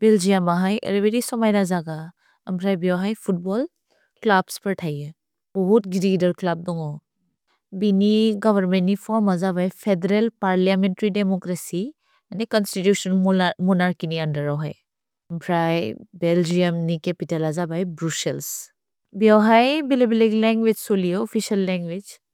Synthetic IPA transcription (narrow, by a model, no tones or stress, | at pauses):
beld͡ʒijamaɦajḛɾebeɾisɔmajɾazaɡa | ɐmpʰɾajbjawɦajpʰut̚bɔl | klabspəɾʈʰaje | bɔɦutɡiɾidəɾklab̚dɔŋɔ | biniɡɔbəɾmenipʰɔmazabajpʰedeɾelpaɾlijamentɾidemɔkɾesi | anekɔnsʈiʈjuːʃənmonaɾkiniɐ̃ɳɖəɾɔɦa̰j | ɐmpʰɾajbeld͡ʒijəmnikepiʈɐlɐzabajbɾusels | bjawɦajbilebileɡlɛ̃ːŋɡʋed͡ʒsolijoɔfiʃɐlːɛ̃ːŋɡʋed͡ʒ